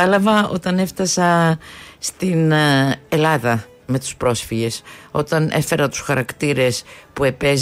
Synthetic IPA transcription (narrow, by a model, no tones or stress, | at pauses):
ɐlɐvɐo̞t̪ɐne̞ft̪ɐsɐ | st̪ine̞lɐðɐ | me̞t̪u̥spɾo̞sfiʝe̞so̞̰t̪ɐnʔe̞fe̞ɾɐt̪u̥sxɐɾɐkt̪iɾe̞spue̞pez